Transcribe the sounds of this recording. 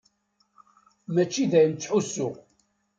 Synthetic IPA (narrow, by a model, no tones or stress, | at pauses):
mæt͡ʃːiðæjənt͡sːħusːʊʁ